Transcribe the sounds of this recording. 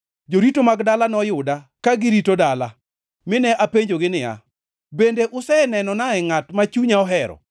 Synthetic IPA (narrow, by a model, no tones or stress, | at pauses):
d͡ʒoɾitomaɡdalanɔjʊdakaɡɪɾitodala | mɪnɛʔapeɲd͡ʒoɡɪnɪa̰ | bendeʔʊsɛnɛnɔnaɛŋatmat͡ʃuɲaɔɦɛɾɔ̰